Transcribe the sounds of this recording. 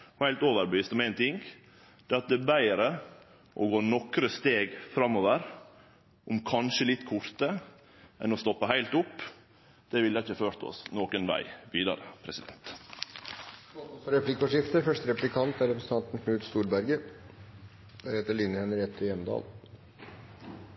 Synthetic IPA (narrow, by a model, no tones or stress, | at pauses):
ɔhæɪlt̪oːʋəɾbəʋiːst̪ɔmæɪnt̪ɪŋɡ | d̪̥ɛːɑt̪̚d̪ɛbæɪɾə | ʔɔɡoːnɔkɾəst̪eːɡfɾɑmːoʋəɾ | ʔʊmkʰɑnʃəlɪt̪ːkʰʊɾt̪ə | ʔɛ̰nɔst̪ɔpːəɦæɪlt̪ʊpː | d̪̥ɛʋɪlːəɪçːəføːɾt̪ɔ̰snoːkənʋæ̰ɪʋiːd̪ɑ̰ɾəpʰɾɛsɪd̪ɛ̰nt̪ | ɑt̪ɔfɔɾɛplɪkːɔʂɪft̪əɾfœʂʈ̪əɾɛplɪkʰɑnt̪æɾɛpɾəsəɑnt̪n̩kʰnʉːt̪st̪uːɾbæɾɡə | d̪̥æɾheːt̪əɭinːəhɛnəɾɛt̪ʰːəjɛmd̪ɑ̰ːl